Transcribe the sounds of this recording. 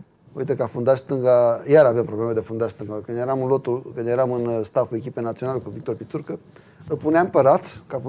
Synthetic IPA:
ṵit̪əkafund̪aʃʲst̪ɨŋɡajaɾavjampɾo̞blemed̪efund̪aʃʲst̪ɨŋɡakɨnd̪jeɾamɨnlo̞t̪ulkɨnd̪jeɾamɨnst̪afue̞kʲipenat̪sio̞nalekuvikt̪o̞rpʲit̪surkə | ɨpuneampəɾat̪kafu

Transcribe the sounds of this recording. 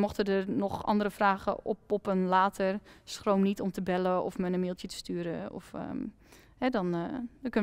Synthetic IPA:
mɔxtədərnɔχɑ̰ndərəfraːɣə̰ɔpɔpənlaːtʰərsχrowmnitɔmtəbɛləɔ̰fmənəmɪːlˠtjətə̥styːɾəɔ̰fə̰ | hɛdɔnkøn

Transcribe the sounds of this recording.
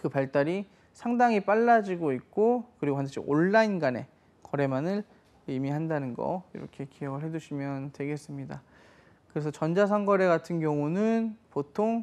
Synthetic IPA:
kɯpaɭt͈aɾi | sʰaŋdaŋip͈aɭːad͡ʑiɡoik̚k͈okɯɾiɡoɦandʰɯɕʰḭʔoɭːainɡane̞̰ | kʌɾe̞manɯɭ | imiɦandanɯnɡʌ̰ḭɾʌ̰kʰe̞kijʌɡɯɭɦe̞d͡ʑuɕʰimjʌntwe̞ɡe̞s͈ɯmɲida | kɯɾe̞sʰʌt͡ɕʌnd͡ʑasʰaŋɡʌɾe̞ɡatʰɯnɡjʌŋunɯnpotʰoŋ

